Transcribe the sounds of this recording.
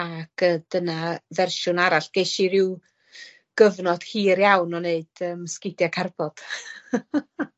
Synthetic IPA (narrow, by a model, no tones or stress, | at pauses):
akəd̥ənavɛrʃʊnaɾaɬɡ̥ejʃiɾɪw | ɡ̥əvnɔd̥hiːɾjawnɔneɨd̥əmskɪdjakʰarbɔd̥